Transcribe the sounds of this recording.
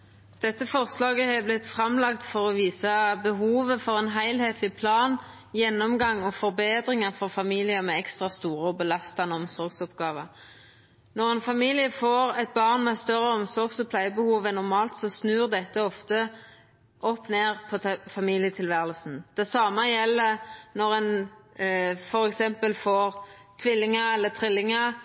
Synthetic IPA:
d̪̥ɛt̪ːəfɔʁslɑːɡəhɛblɪt̪fʁɑmlɑkt̪fɔʁɔʋiːsɑbəɦuːʋəfɔʁɛnɦæɪlheːt̪ʰlɪpʰlɑːn | jɛnːɔmɡɑŋːɔfɔʁbeːd̪ʁɪŋɑʁfɔʁfɑmiːlɪəmɛɛkst̪ʁɑst̪uːʁəɔbəlɑst̪ɑnəɔmsɔʁɡsɔpɡɑːʋə | nɔʁɛnfɑmiːlɪəfoːʁɛt̪̚bɑʁnmɛst̪œʁːəɔmsɔɾɡsɔpʰlæɪəbəhuːʋɛnːɔʁmɑːlt̪sɔsnʉːʁd̪ɛt̪ːəɔft̪ə | ʔɔpːneːʁpʰɔfɑmiːljət̪ʰɪlʋæːʁəlsn̩d̪̥ɛsɑːməjɛlːənɔʁɛn | fɔɾɛksɛmpəlfoːʁ | t̪ʰʋɪlːɪŋəɛlːət̪ʰʁɪlːɪŋə

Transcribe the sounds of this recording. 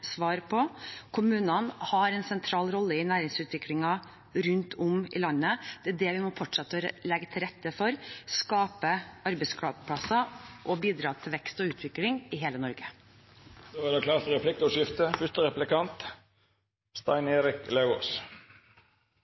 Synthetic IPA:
sʋɑːɾpʰɔkʰʊmʉːnənhɑɾɛnsɛnt̪ʰɾɑːlɾɔlːəɪnæːɾɪŋsʉːt̪ʋɪklɪŋɑ | ɾʉnt̪ʰʊmɪ̰lɑnːəd̪̥ɛæɖɛʋɪmɔfɔʈʂɛt̪ːəlɛɡət̪ʰɪlɾɛt̪ːəfɔɾskɑːpəɑɾbəɪskʰɽɑːɡpʰɽɑsɑʔɔbiːd̪ɾɑːt̪ʰɪlʋɛkst̪ɔʉːt̪ʰʋɪklɪŋɪɦeːlənɔɾɡə | d̪̥oːæɖɛklɑːɾt̪ɾɛpʰlɪk̚t̪ɔʃɪft̪əfʉst̪əɾɛplɪkɑnt̪ | st̪ɑ̰ɪneːɾɪkleo̰ːs

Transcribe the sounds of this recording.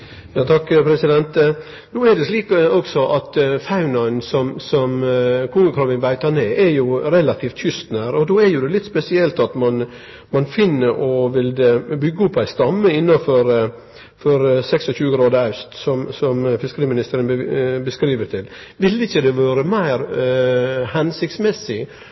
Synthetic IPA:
jɑːt̪ʰɑkːpʰɾɛsɪd̪ɛnt̪ | nuːɛɖɛsliːkɔɡsɔʔɑt̪fɑʉnɑnsɔmsɔmkʰʊŋɡəkʰɾɑʋɪnʋæɪt̪ɑneːʔɛɾjʊɾɛlɑt̪ʰiːft̪çʏst̪næːɾɔd̪oːɛɾjʊd̪ɛlɪt̪ːspɛsɪɛlt̪ɑt̪mɑn | mɑnfɪnːəɾʔɔʋɪld̪ɛbʏɡːəɔpʰːæɪst̪ɑmːəɪnːɑfɔɾ | fɔɾsɛksɔçʉːəɡɾɑːd̪əɑʉst̪sɔmsɔmfɪskəɾiːmɪnɪst̪əɾənbəskɾiːʋəɾt̪ʰɪl | ʋɪlːɪçːəd̪ɛʋɑːɾəmæɪɾ | hɛnsɪkt̪smɛsːɪ

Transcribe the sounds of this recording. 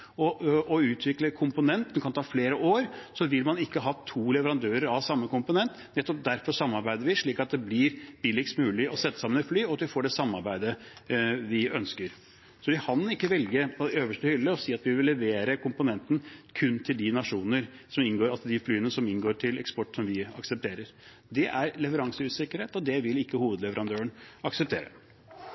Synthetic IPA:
ɔɔʉːt̪ʰʋɪkləkʰʊmpʊnɛnt̪ɛnkɑnt̪ʰɑːfleːɾəoːɾsɔʋɪlmɑnɪkːəɦɑːt̪ʰuːlɛʋəɾɑnd̪øːɾəɾɑʋsɑmːəkʊmpʊnɛnt̪nɛt̪ːɔp̚d̪æɾfɔɾsɑmːɑɾbæɪd̪əɾʋɪʂɭiːkɑt̪̚d̪ɛblɪɾb̥ɪlɪkst̪mʉːlɪɔsɛt̪ːə̥sɑmːənɛt̪flyːɔɑt̪ʋɪfoːɖɛsɑmːɑɾbæɪd̪ə | ʋɪœnskəɾ | sɔʋɪkʰɑnɪkːəʋɛlɡəpʰɔd̪ɛøːʋəʂʈəhʏlːəɔsiːɑt̪ʋɪʋɪʋɪlːɛʋeːɾəkʊmpʊnɛnt̪n̩kʰʉnːt̪ʰɪld̪ɪnɑʂuːnəɾ | sɔmɪnɡoːɾɑlsɔd̪ɪflyːənəsɔmɪnɡoːʈʰɪlɛkspɔʈːsɔmʋɪɑ̰ksəp̚t̪ʰeːɾəɾ | d̪ɛʔæɾlɛʋəɾɑŋsəʉːsɪkːəɾheːt̪ɔd̪ɛʋɪlɪkːəhuːʋəd̪lɛʋəɾɑnd̪øːəɳɑksɛp̚t̪ʰeːɾə̰

